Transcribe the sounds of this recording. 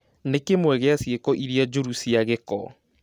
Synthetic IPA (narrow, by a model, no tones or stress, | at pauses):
nekemwɛɣeasiekɔʔiɾiad͡ʒoɾusiaɣekɔ